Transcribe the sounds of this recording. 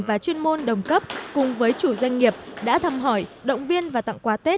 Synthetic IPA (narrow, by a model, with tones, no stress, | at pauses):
vaː˨˩t͡ɕwi˧ənmo˧nɗə˨˩wŋ͡mkə˦˥p̚kʊ˨˩ŋ͡mvəː˨˦jt͡ɕu˧˩zwa˧jŋ̟ŋi˨˩əp̚ɗa̰ː˧˥t̪ʰə˧mɦɔ˧˩jɗə̰˧˨wŋ͡mvi˧ənvaː˨˩t̪a̰˧˨ŋkwaː˨˦t̪e˦˥t̚